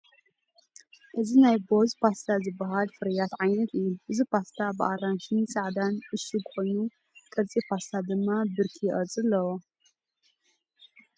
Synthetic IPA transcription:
ʔɨzinajbo̞zpʰast̪ʰazɨbːɐɦalfɨɾɐjat̪ʕajnɐt̪ʰɨjːuʔɨzipʰast̪ʰabɨʔaɾanʃɨnt͡sʼaʕd̪anʔɨʃuɡxo̞jnu | kʼɐt͡sʼipʰast̪ʰad̪ɨmːabɨɾkʰijʔʼɐt͡sʼɨlːɐwo

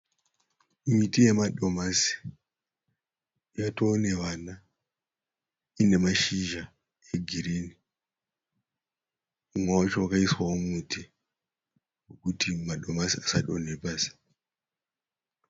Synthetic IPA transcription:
mitije̞maɗo̞masi̥ | ijatone̞ʋana | ine̞maʃiʒa | e̞ɡʱiɾini | umwawat͡ʃowakaiswawomuti | wokutimaɗo̞masiasaɗonepaːsi̥

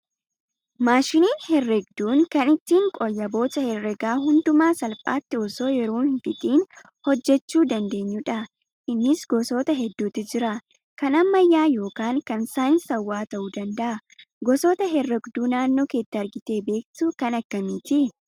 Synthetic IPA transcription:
maːʃɪniːnhɛrːɛɡd̪uːŋkɐnɪt̪ːiːŋkʼɔjːɐbo̞ːtɐhɛrːɛɡaːɦʊnd̪ʊmaːsɐlpʼa̰ːt̪ːɪɔso̞ːjɛɾoːnhfɪt̪iːn | hɔd͡ʒːɛt͡ʃːuːd̪ɐnd̪e̞ːɲːuːᶑɐ | ʔɪnːɪsɡɔso̞ːt̪ɐɦɛd̪ːuːt̪ɪd͡ʒɪɾɐ | kɐnɐmːɐjːaːjo̞ːkaːŋkɐnsaːɪnsɐwːaːt̪ɐʔuːd̪ɐnd̪ɐʔɐ | ɡɔsoːt̪ɐɦɛrːɛɡd̪uːnaːnːo̞ːkeːt̪ːɐɐɾɡɪt̪e̞ːbe̞ːk̚t̪ʊkɐnɐkːɐmɪt̪ɪ

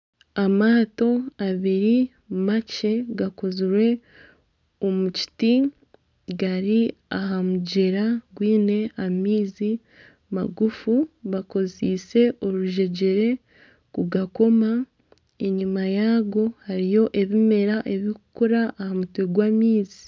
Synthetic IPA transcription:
amaːto̞aβiɾi | mace̞ɡako̞ziɾwe̞ | o̞muci̥ti | ɡaɾiaɦamuɟeɾaɡwiːne̞amiːzi | ma̰ɡufuβako̞ziːse̞ʔo̞ɾuʒe̞ɟe̞ɾe̞ | kuɡako̞ma | e̞ɲimajaːɡo̞haɾijo̞ʔe̞βime̞ɾaʔe̞βikukuɾaːhamutweɡwaːmiːzi

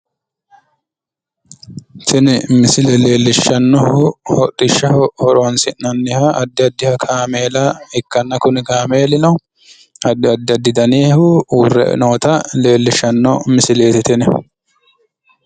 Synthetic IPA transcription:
t̪ʰɪnɪmɪsɪlɛle̞ːlːɪʃːɐnːɔhʊhɔtʼːɪʃːɐhhɔɾonsɪnːɐnːɪhaʔɐd̪ːɪɐd̪ːɪhɐkʰaːmeːlaɛkːɐnːɐkʊnɪkaːmeːlɪnɐ | ɐd̪ːɪɐd̪ːɐd̪ːɪd̪ɐneːhʊuːrːɛ̰noːt̪ɐle̞ːlːɪʃɐnːɔmɪsɪleːt̪ɪt̪ɪnɛ

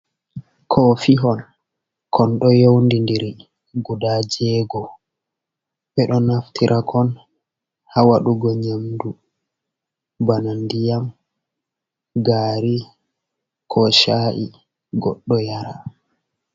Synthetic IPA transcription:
kʰɔfiɦɔn | kʰɔnɗɔjowndindɛɾi | ɡudad͡ʒɛːɡɔ | bɛɗɔnaftʰiɾʔakʰɔn | hawaɗuɡɔɲamdu | banandijam | ɡaːɾi | kʰɔʃaːʔi | ɡɔ̰ɗːɔjaɾa

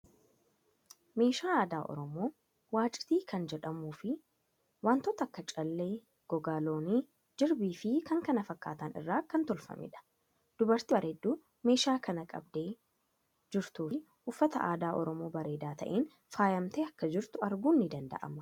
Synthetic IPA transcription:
me̞ːʃaːaːd̪aːʔɔ̰ɾɔmo̞ː | waːt͡ʃʼɪ̥t̪iːkʰɐnd͡ʒɛᶑɐmuːfɪ | waːnt̪ɔːt̪ɐːkːɐt͡ʃʼɐlːe̞ː | ɡ̥ɔɡaːlo̞ːniː | d͡ʒɪɾbiːfɪkɐŋkɐnɐfɐkːa̰ːt̪ɐnɪ̰rːaːkɐnt̪ɔlfɐ̰mɪ̰ᶑɐ̥ | d̪̥ʊbɐɾt̪ibɐɾeːd̪ːuː | me̞ːʃaːkɐnɐkʼɐ̰bd̪e̞ː | d͡ʒɪɾt̪uː | ʊfːɐt̪ɐʔaːd̪aːʔɔ̰ɾɔmo̞ːbɐɾe̞ːd̪aːt̪ɐ̰ʔeːn | faːjɐmt̪eːɐkːɐd͡ʒɪɾt̪ʊɐɾɡuːnːɪd̪ɐnd̪ɐ̰ʔɐ̰mɐ

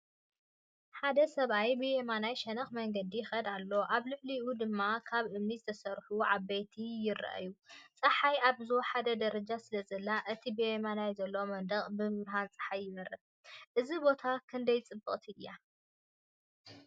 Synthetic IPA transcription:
ħad̪ɐsɐβajbɨjemanajʃɐnɐxmɐŋɡɐd̪iɪxɐd̪alːo̞ʔaβlɨʕliʔud̪ɨmːakʰaβʔɨmnizɨt̪ʰɐsɐɾħuʕabːejt̪ʰijɪɾːɐ̰ʔa̰jut͡sʼɐħajaβzħad̪ɐd̪ɐɾɐd͡ʒasɨlɐzɐlːaʔɨt̪ʰibijemanajzɐlːo̞mɐnd̪ɐχʼbɨmɨβɾɦant͡sʼɐ̥ħajɪmɐɾɐ | ʔɨzibo̞t̪ʰakʰɨnd̪ɐjt͡sʼɨbːɨχʼt̪ʰiɨjːa

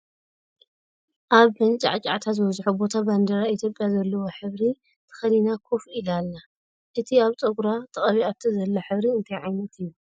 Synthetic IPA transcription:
ʔaβɨnt͡ʃʼa̰ʕt͡ʃʼa̰ʕt̪ʰatzɨwɐzħubo̞t̪ʰaband̪ɐɾait̪ʰjo̞pʼːjazɐlːɐwoħɨβɾi | t̪ʰɨ̥xɐd̪inakʰofilalːa | ʔɨt̪ʰiaβt̪ʼɐɡɾat̪ʼɐχʼɐβiaβt̪ʰɐzɐlːoħɨβɾiɨnt̪ʰajʕajnɐt̪ʰɨjːu

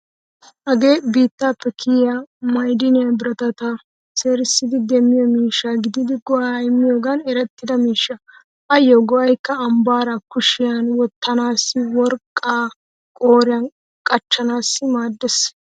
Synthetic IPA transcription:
hɐɡe̞ːbiːt̪ːaːpːɛkʰɪjjamɐjd̪ɪnɪjɐbɪɾɐt̪ɐt̪a | se̞ːɾɪsːɪd̪ɪd̪ɛmːɪjɔmiːʃːaɡɪd̪ɪd̪ɪɡɔʔajɪmːɪjoːɡanɛɾɛt̪ːɪd̪ɐmiːʃːɐ | ʔɐjːoɡɔʔɐjkːɐːmbaːɾakʊʃɪjanwɔt̪ːɐnaːsːɪwɔɾkʼːaː | kʼo̞ːɾɪjɐn | kʼɐt͡ʃːɐnaːsːɪmaːd̪ːɛs

